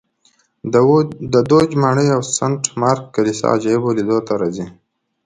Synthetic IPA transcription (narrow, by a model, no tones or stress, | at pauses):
d̪əd̪od͡ʒmaɳəjawsaɳʈmɑɾkːalisa̰d͡ʒaibolid̪ot̪aɾazi